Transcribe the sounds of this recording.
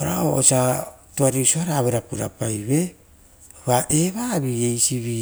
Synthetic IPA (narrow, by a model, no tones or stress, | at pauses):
oɾao̰o̰satuaɾisuaɾaːβeɾapuɾa̰pajβe̞ | βaʔeβaβiejsiβi